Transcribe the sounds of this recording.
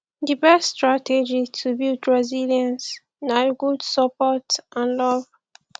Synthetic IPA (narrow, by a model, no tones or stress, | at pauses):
dibɛsːtɹatʰɛd͡ʒitʰubildɹɛziljãns | naɡudsəpɔtʔãnlɔv